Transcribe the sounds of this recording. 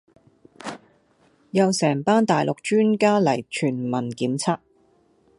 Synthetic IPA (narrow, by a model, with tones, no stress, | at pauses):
jɐ˨˧wsɛː˨˩ŋpaː˥nt̪aː˨jlʊ˨k̚t͡ʃyː˥nkaː˥lɐ˨˩jt͡ʃʰyː˨˩nmɐ˨˩nkiː˨˥mt͡sʰaː˥t̚